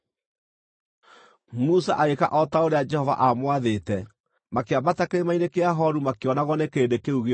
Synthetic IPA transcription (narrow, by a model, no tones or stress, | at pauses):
musaʔaeka̰ʔɔtaoɾead͡ʒɛhɔva̰ʔamwaðetɛ | makeamatakeɾemainekeaɦɔɾumakeɔnaɣwɔnekeɾedekeuɣe